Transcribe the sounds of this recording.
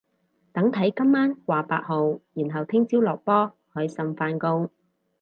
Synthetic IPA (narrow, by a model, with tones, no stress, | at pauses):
t̪ɐ˨˥ŋt̪ʰɐ˨˥jkɐ˥mːaː˥nkʷwʷaː˨paː˧t̚ho˨wjiː˨˩nɦɐ˨wt̪ʰɪ˥ŋt͡siː˥wlɔː˨k̚pɔː˥ | hɵ˨˧jsɐ˨mfaː˧nkʊ˧ŋ